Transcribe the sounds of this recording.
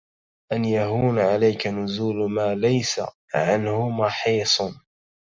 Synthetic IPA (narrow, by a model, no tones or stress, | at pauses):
ʔanjaɦuːnʕalajkanʊzuːlmaːlajsa̰ | ʕanhʊmɑħiːsˤ